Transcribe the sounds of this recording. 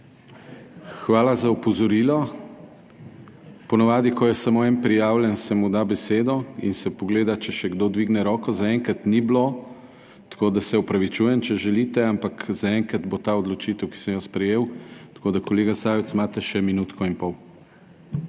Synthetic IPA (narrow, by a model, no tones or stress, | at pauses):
xʋaːlazaupɔzɔɾilɔ | pɔnaʋaːd̪ikɔjɛsamoɛnpɾijaːwlɛnsɛmud̪abɛseːd̪ɔḭnsɛpɔɡleːd̪at͡ʃɛʃɛɡd̪od̪ʋiɡnɛɾɔːkɔzaɛŋkat̪niblo | t̪ḁkoːd̪asɛɔpɾaʋit͡ʃuːjɛnt͡ʃɛʒɛlit̪ɛampakzaɛŋkɾad̪bot̪aːɔd̪lɔt͡ʃit̪ɛwki̥sɛmjɔspɾɛjeːwt̪ḁkoːd̪akɔleːɡasajɛt̪smaːt̪ɛʃɛminut̪kɔinpɔw